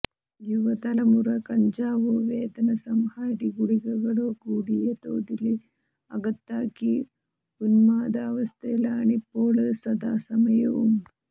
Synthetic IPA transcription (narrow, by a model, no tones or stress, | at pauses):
juʋɐt̪ɐlɐmuɾɐkɐɲd͡ʒaːʋuʋeːd̪ɐnɐsɐmhaːɾiɡuɽiɡɐɡɐɭuɡuːɽijɐt̪o̰ːd̪ili | ɐɡɐt̪ːaːki | ɡunmaːd̪aːʋɐst̪eːlaːɳipoːlɐsɐd̪aːsɐmɐjɐʋum